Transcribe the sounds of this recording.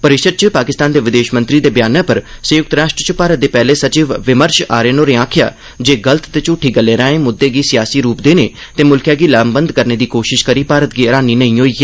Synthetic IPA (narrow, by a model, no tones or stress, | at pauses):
pəɾɪʃəd̪̚t͡ʃəpaːkɪst̪aːnd̪eːʋɪd̪eːʃmə̃nt̪ɾiːd̪eːbjaːnapəɾsəjʊk̚t̪ɾaːʃʈɾət͡ʃəpaːɾət̪̚d̪eːpɛːleːsət͡ʃiːʋʋɪməɾʃa̰ːɾeːnoːɾeːãːkʰja̰ː | d͡ʒeːɡələt̪t̪eːt͡ʃʊːʈʰːiːɡəlːeːɾãːẽːmʊd̪ːeːɡiːsɪjaːsiːɾuːpd̪eːneːt̪eːmʊlkjaːɡiːlaːmbənd̪kəɾneːd̪iːkoːʃɪʃkəɾiːpaːɾət̪̚ɡiːəɾaːniːnəĩːɦoːiː